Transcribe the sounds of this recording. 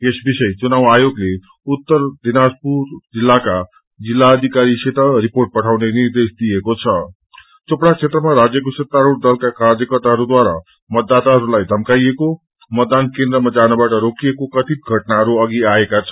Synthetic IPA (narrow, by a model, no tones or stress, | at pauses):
esbisʌjt͡sunawajoɡle | ut̪ːʌrd̪inaspurd͡zilːaka | d͡zilːaːd̪ʱikaɾit͡sʰet̪ʌriporʈ̚pʌʈʰawnenird̪esd̪ijekot͡sʰʌ | t͡sopɽat͡sʰet̪rʌmaɾad͡zjʌkusʌt̪ːaɾuɽd̪ʌlkakard͡zʌkʌrt̪aɦʌɾud̪waɾa̰ | mʌd̪ːat̪aɦʌɾulajd̪ʱʌmkajeko | mʌt̪ːankẽnd̪ɾʌmad͡zanabaʈʌɾokiekokʌt̪ʰit̪̚ɡʱʌʈnaɦʌɾuʌɡiaekat͡sʰʌ̥